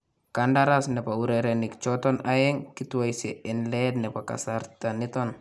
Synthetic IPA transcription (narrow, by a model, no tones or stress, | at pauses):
kandaɾasnɛpauɾɛɾɛnik̚t͡ʃɔtɔnajɛŋkituwajsɛɛnlɛdnɛpaka̰saɾtanitɔn